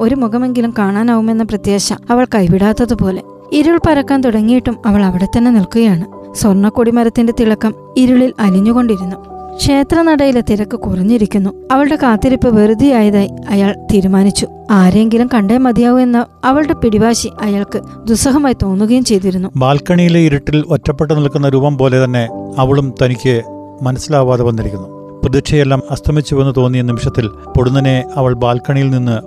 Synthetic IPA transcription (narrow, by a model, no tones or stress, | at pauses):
o̞ɾumuɣɐme̞ŋɡilumkaːɳaːnɐɣume̞nːɐprɐt̪jeːɕɐ̰ɐʋɐɭkɐjʋiɽaːt̪ːɐðɨpo̞ːle̞̰ | iɾuɭpɐɾɐkːaːnt̪uɽɐŋːijiʈːumɐʋɐɭɐʋiɽe̞t̪ːɐnːe̞nilkuɣɐjaːɳɨ | swɐrɳːɐkːuɽimɐɾɐt̪ːinde̞t̪iɭɐkːɐm | iɾuɭilɐliɲːuɣo̞ɳɖiɾunːukʂe̞ːt̪rɐnɐɽɐjilet̪iɾɐkːɨkurɐɲːiɾikʲːunːuɐʋɐɭɨɽe̞kaːt̪ːiɾipːɨʋerud̪ʱːijaːjɐðaːjiɐjaːɭt̪iːɾumaːnit͡ɕːu | aːɾjeŋɡilumkɐɳɖeːmɐd̪ʱijaːʋue̞nːɐɐʋɐɭɨɽe̞piɽiʋaːɕiʔɐjaːɭkɨ | d̪usɐɦɐmaːjt̪o̞ːnːuɣɐjumt͡ɕe̞jt̪̬iɾunːubaːlkɐɳijileiɾuʈːilʋɐtːɐpːeʈːɨnɐɭkːunːɐɾuːbɐmpo̞ːle̞t̪ɐnːe̞ɐʋɐɭumt̪ɐnikʲːɨ | mɐnɐsːilaːʋaːd̪ɐʋɐnːiɾikʲːunːu | prɐd̪iʈʂʰɐjelːaːmɐst̪ʰɐmit͡ɕːuʋenːɨt̪o̞ːnːijɐnimiʂɐt̪ːil | poɽunːɐneɐʋɐɭbaːlkɐɳijilninːɨ